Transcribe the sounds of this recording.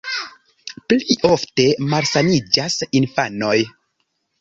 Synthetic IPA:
pliʔo̞fte̞malsanid͡ʒasinfano̞j

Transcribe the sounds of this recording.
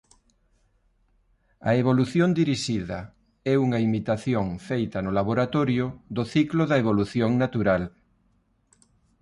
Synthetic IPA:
ɐ̰eβoluθjond̪iɾiʃiðɐ | ɛuŋɐimit̪aθjoŋfejt̪ɐnʊlaβ̞oɾat̪oɾjʊd̪oθiklʊðɐeβoluθjoŋnat̪uɾal

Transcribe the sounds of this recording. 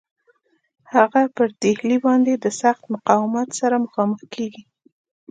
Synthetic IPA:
haɣapəɾd̪ehlibɑnd̪ed̪əsaxt̪mʊqɑwɪmat̪saɾaməxɑməxkeɡi

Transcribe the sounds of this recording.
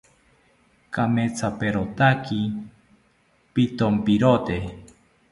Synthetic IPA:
kamet͡sapeɾot̪akʰi | pit̪ompiɾot̪e

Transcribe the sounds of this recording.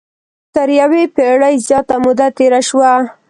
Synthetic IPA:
t̪əɾjawepeɽəjzjɑt̪amʊd̪at̪eɾaʃwa

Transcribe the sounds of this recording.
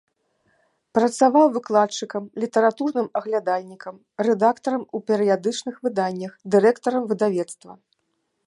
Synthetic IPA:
pɾɐt̪savawvɨklˠat̪t͡ʂɨkɐmlʲit̪ɐɾat̪urnɨmɐɣlʲad̪alʲnʲikɐm | rɛd̪akt̪ɐɾɐmupʲɛɾɨjad̪ɨt͡ʂnɨxvɨd̪anʲːɐxd̪ɨɾɛkt̪ɐɾɐmvɨd̪avʲɛt̪st̪vɐ̰

